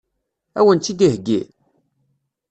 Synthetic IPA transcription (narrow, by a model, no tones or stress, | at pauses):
æ̰wənt͡s̪ːid̪ihɡːḭ